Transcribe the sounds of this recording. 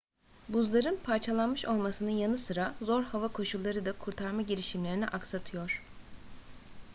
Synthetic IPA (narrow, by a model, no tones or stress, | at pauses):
buzlˠaɾɯnpʰaɾt͡ʃʰalˠanmɯʃo̞lˠmasɯnɯnjanɯsɯɾazo̞ɾhavakʰo̞ʃulˠːaɾɯd̪akʰuɾt̪ʰaɾmaɟiɾiʃimlʲeɾiniʔaksat̪ʰɯjo̞ɾ̥